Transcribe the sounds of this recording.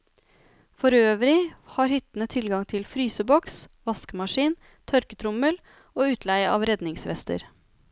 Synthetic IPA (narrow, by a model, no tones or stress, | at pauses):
fɔɾøːʋɾɪhɑːɾhʏt̪ːn̩ət̪ʰɪlɡɑŋt̪ʰɪlfɾyːsəbɔksʋɑskəmɑʂiːn | t̪ʰœɾkət̪ʰɾʊməl | oːʉːt̪ʰlæɪəɑ̰ːʋɾɛd̪nɪŋsʋɛ̰st̪ə̰ɾ